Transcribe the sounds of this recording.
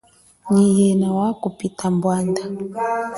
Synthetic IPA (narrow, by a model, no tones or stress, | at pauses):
ɲijɛnawakupitambwanda